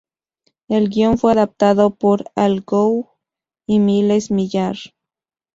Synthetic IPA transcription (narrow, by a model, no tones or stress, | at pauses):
elɡjonfweaðap̚t̪aðopoɾalɣow | imilesmiʎaɾ